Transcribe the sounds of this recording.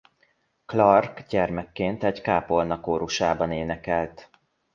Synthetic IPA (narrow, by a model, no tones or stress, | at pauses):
klɒrkɟɛrmɛkːeːnt̪ɛɟkaːpolnɒkoːɾuʃaːbɒneːnɛkɛlt̪